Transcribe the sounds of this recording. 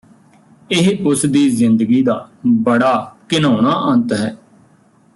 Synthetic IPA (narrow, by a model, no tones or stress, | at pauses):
ɪɦʊsd̪iːzɪ̃nd̪əɡiːd̪aːbəɽaːkɪnoːɽ̃aːʔə̃nt̪ɦɛː